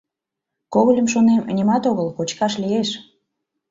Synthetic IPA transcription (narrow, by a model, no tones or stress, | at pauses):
koɣəlʲəmʃonemnʲimɑt̪oɣəlkot͡ɕkɑʃlieʃ